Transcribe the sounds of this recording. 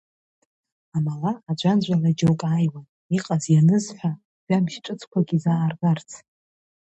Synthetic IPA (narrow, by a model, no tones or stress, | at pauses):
amalaːd͡ʒʷand͡ʒʷalad͡ʒowkʼajwan | iqʼazjanɨzħʷᶣa | ɥamʃʈ͡ʂʼɨt͡sʰkʷaɡʲizaːrɡʼart͡sʰ